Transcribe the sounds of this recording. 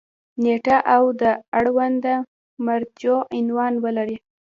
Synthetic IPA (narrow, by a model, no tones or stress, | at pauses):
neʈaʔawd̪əaɽwand̪a | maɾt̪joʔɪnwɑnwəlaɾi